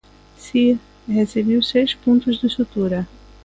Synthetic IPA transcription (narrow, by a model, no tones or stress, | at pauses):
siɾ | hesebiwsejʃpõnt̪ʊzd̪ɪsut̪uɾɐ